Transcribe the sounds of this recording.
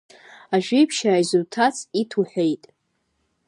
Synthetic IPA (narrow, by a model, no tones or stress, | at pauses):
aʒᶣipʰʃaːjzultʰat͡sʰitʰuħʷᶣejtʼ